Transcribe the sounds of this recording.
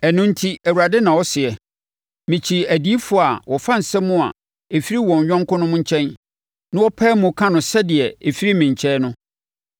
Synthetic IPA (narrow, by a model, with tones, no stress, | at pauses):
ɛ˨nʊ̃˦n̩˦tʰi˦æ˨wu˨a˨dɛ˦nã˨wɔ˦sɪ˨ɛ˨ | mĩ˨t͡ɕʰi˨æ˨di˨˦i˦fʊ˦˨a˨wɔ˨fã˦n̩˨sɛ˦mʊ̃˦a̰˨ | e˨fi˦ɾi˦wɔ̃˨ɲ˨ɥᶣɔ̃˦ŋ˦kʊ̃˦nʊ̃˦mʊ̃˦ɲ̩˦t͡ɕʰɛ̃˦n | nã˦wɔ˦pʰɛ˦mʊ̃˨kʰã˦nʊ̃˨sɛ˦dɪ˨ɛ˨e˨fi˦ɾi˦mĩ˨ɲ˨t͡ɕʰɛː˦nʊ̃˦